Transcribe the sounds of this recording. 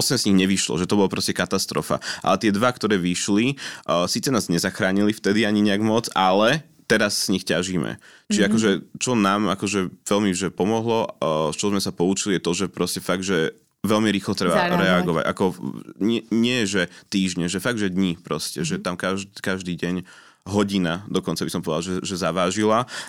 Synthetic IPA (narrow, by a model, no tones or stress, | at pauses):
ɔsɛmzɲiɣɲɛʋiʃlɔ̰ʒɛt̪ɔbɔlapɾɔscɛkat̪ast̪ɾɔ̰fa̰ʔa̰lɛt̪ɪɛd̪ʋakt̪ɔɾɛːʋiʃlisiːt͡sɛnaːzɲɛzaxɾaːɲilift̪ɛd̪iaɲiɲɛaɡmɔt͡salɛ | t̪ɛɾasːɲixcaʒiːmɛ̰t͡ʃiʒakɔʒɛt͡ʃɔnaːmakɔʒɛʋɛlmiʒɛpɔmɔɦlɔt͡ʃɔzmɛsapɔut͡ʃilijɛt̪ɔʒɛpɾɔscɛfaɡʒɛ | ʋɛlmiɾiːxlɔt̪ɾɛba̰ɾɛaɡɔʋa̰ɟa̰kɔɲɛɲɪɛjɛʒɛt̪iːʒɲɛʒɛfaɡ̚ʒɛd̪ɲipɾɔscɛʒɛt̪amkaʒkaʒd̪iːɟɛɲ | ɦɔɟinad̪ɔkɔnt͡sabisɔmpɔʋɛd̪alʒɛʒɛzaʋaːʒila